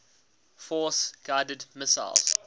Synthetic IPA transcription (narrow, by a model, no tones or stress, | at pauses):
fɔˑsɡ̥aɪdədmɪsa̰ɪlz̥